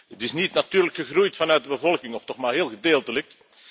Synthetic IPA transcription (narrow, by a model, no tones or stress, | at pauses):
ətɪsnitnatyːrləkxəxrujtfɑnœɥt̚dəbəvɔlˠkɪŋɔftɔxmaːrɦɪːlˠɣədeːlˠtələk